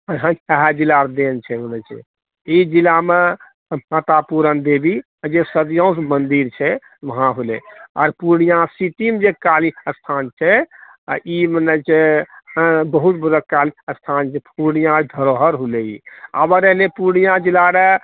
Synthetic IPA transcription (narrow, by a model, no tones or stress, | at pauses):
ɦãɦad͡ʒilaɾd̪ent͡ʃʰɛmənət͡ʃʰ | id͡ʒilame | mat̪apuɾənd̪ebi | d͡ʒesəd̪jãũs̬mənd̪iɾt͡ʃʰɛ | ʋəɦãɦulɛ̰ɔɾpuɾɽ̃ijãsit̪imd͡ʒekaliəst̪ʰant͡ʃʰɛ | imənət͡ʃʰe | bəɦut̪̚bəd̪əkaliəst̪ʰant͡ʃʰɛpuɾɽ̃nijãd̪ʱəɾoɦəɾɦuleḭa̰bəɾəɦlepuɾɽ̃ijãd͡ʒilaɾe